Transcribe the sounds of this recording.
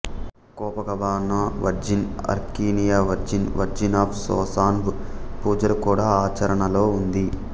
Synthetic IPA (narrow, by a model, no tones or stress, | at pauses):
kɔːpɐkɐbaːnaːʋɐɾd͡ʒinɐ̰ɾkiːnijaːʋɐɾd͡ʒinʋɐɾd͡ʒinaːpʰsɔ̰ːsaːnbupuːd͡ʒɐɾkuːɽaːaːt͡ʃɐɾɐɳɐlo̞ːund̪i